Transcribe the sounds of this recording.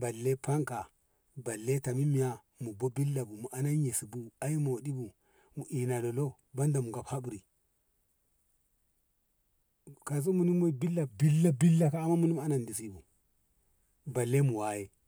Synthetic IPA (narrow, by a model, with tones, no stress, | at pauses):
ba˨lːe˦pa˦ŋka˨ | ba˨lːe˦ta˨mi˦mi˨ja˦ | mu˨bo˦bi˦lːa˨bu˨mu˨ʔa˨na˦ɲe˨si˨bu˦a˦i˦mo˨di˦bu˨ | mu˨ʔi˨na˨lo˨lo˦ | ba˦nda˨mu˨ɡa˨pha˦bu˨ɾi˨ | ka˨z̬u˦mu˨ni˦mo˦bi˦lːa˨bi˦lːa˦bi˦lːa˦kaː˦˨mːa˦mu˦ni˦m˦˨a˦na˨ndi˨si˦bu˨ | ba˨lːe˦mu˨wa˨˦je˦